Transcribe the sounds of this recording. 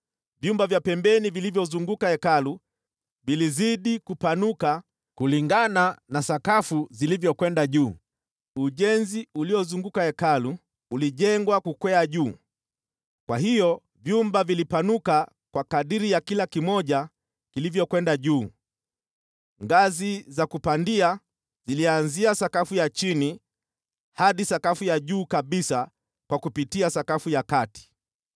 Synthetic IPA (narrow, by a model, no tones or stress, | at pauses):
vjumbavjapɛmbɛnivilivjɔzuŋɡukaɛkalu | viliziɗikupanuka | kuliŋɡananasakafuzilivjɔkwɛndaʄuː | uʄɛnziuliɔzuŋɡukaɛkaluː | liʄɛŋɡwakukwɛaʄuː | kwaɦijɔ | vjumbavilipanuka | kwakaɗiɾijakilakimɔʄa | kilivjɔkwɛndaʄuː | ŋɡazizakupandia | zilianziasakafujat͡ʃini | haɗisakafujaʄuːkaɓisa | kwakupitiasakafujakati̥